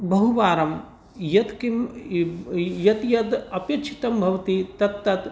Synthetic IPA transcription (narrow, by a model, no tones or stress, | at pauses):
bɐɦuʋaːɾɐm | jɐt̪kim | jɐt̪jɐd̪ɐpjɐt͡ʃʰi̥t̪ɐmbʱɐʋt̪it̪ɐt̪ːɐt̪